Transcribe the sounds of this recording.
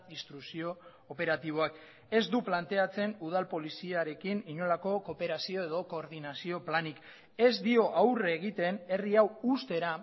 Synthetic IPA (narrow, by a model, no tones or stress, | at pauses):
ist̪ɾuksio̞ː | pe̞ɾat̪iβ̞o̞ak | e̞zd̪uplant̪e̞at͡se̞nuð̞alpo̞lisiaɾe̞kiniɲo̞lako̞ko̞pe̞ɾasio̞e̞ðo̞ko̞ːɾðinasio̞planik | e̞zd̪io̞ʔawreɣ̞it̪e̞ne̞riawust̪e̞ɾa